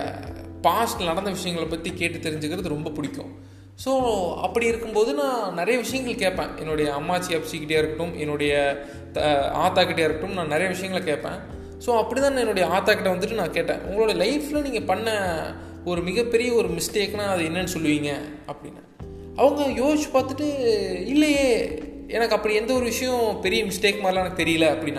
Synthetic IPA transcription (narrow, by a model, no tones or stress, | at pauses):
paːsʈnɐɽɐnd̪ɐʋɪʂɐjɐŋɡɐɭpɐt̪ːikeːʈːɯt̪ːɛɾɪɲd͡ʒɯkɪɾɐðɯɾɔmbɐpʊɽɪkʲːʊ̰̃ | soːɐ̰pːɐɽiɪɾɯkːɯmpoːðɯnãːnɐɾɐjɐʋɪʂɐjɐŋɡɐɭkeːʈpːḛ̃ːʔɛnːʊɽɐjɐɐmːaːt͡ʃːɪjaːpsikɪʈjaːɪɾɯkʈːɯmɛnːʊɽɐjɐ | t̪a̰ːt̪ːaːkɪʈ̬ːjaːɪɾɯkʈːɯmnãːnɐɾɐjɐʋɪʂɐjɐŋɡɐɭkeːʈpːḛ̃ː | soːɐpːɐɽit̪ãːnãːɛnːoːɽɐjɐaːt̪aːkɪʈ̬ːɐʋɐnd̪ɯʈːɯnãːkeːʈːḛ̃ːʔʊ̰ŋɡɐɭoːɽɐjɐlɐɪflɐniːŋɡɐpɐɳːɐ | ɔɾɯmɪɣɐpːɛɾɪjɐɔɾɯmɪsʈeːknãːɐðɯɛnːɐnːɯsɔlːɯʋiːŋɡɐ | ɐpːɐɽɪ̰nːɯ | ʔɐʋɐŋɡɐjoːt͡ʃːɯ̥paːɾt̪ɯʈːɯɪlːɐjeː | eːnɐkːɐɐpːɐɽiɛnd̪ɐɔɾɯʋɪʂɐjʊ̃pɛɾɪjɐmɪsʈeːkmaːɾɪlaːɛnkːɯt̪ɛɾɪjɐlɐɐpːɐɽɪnːã